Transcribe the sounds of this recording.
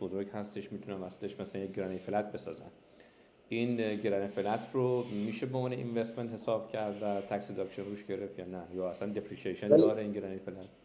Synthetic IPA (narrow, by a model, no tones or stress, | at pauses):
b̥ozoɾɡhæst̪e̞ʃmiːt̪ʰunæmæsleʃmæsælænjeɟɾɒːnefelæt̪̚be̞sɒ̰ːzæ̰n | inɟeɾɒːnefelæt̪ʰromiːʃeboõmvɒːneʔḭnvest̪ment̪he̞sɒːb̥cʰæɾd̪væt̪ʰæksid̪ɒːkʃenɾuːʃɟe̞ɾe̞ft̪jɒːnæjɒːæslænd̪epʰɾikʰieʃend̪ɒːɾeinɟeɾɒːnefelæt̪